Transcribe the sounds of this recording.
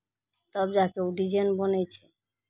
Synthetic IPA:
t̪ɔbd͡ʑakewɖid͡ʑenbonejt͡ɕʰe

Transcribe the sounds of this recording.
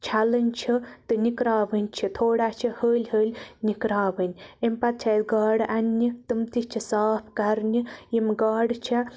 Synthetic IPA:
t͡ʃʰalənʲt͡ʃʰit̪ɨnikɾaːʋənʲt͡ʃʰit̪ʰoːɽat͡ʃʰihəːlʲɦəːlʲnikɾaːʋənʲempɐt̪̚t͡ʃʰat̪ɡaːɽɐnːit̪ɨmt̪it͡ʃʰisaːpʰkɐɾnijimɡaːɽt͡ʃʰa

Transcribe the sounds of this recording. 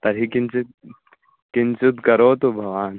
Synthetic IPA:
t̪ɐɾɦikɪnt͡ʃ | kɪnt͡ʃʊt̪kɐɾoːt̪obʱɐʋaːn

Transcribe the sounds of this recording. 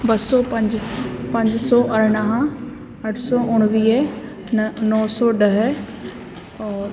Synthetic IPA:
bɐsɔːpɐ̃ɲd͡ʑpɐ̃ɲd͡ʑsɔːʔɐɾɽ̃əɦã | ɐʈʰsɔːʔʊɽ̃ʋiː | nɔːsɔɖɐɦ | ɔːɾ

